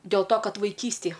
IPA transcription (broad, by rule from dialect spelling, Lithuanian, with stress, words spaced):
dʲeːlˠ toː ˈkɐt ʋɐɪˈkʲiːsʲtʲeːj